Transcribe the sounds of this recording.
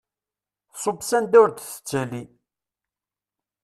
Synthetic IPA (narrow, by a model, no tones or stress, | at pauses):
sˤobsænd̪uɾd̪θə̥t͡sːəli